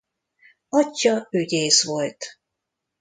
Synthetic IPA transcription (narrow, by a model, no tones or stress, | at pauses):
ɒcːɒøɟeːsʋo̞lt̪